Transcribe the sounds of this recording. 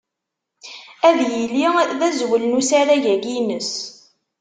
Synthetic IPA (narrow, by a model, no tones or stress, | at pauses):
æðjiliðæzwəlnusæɾæʝæɡinəs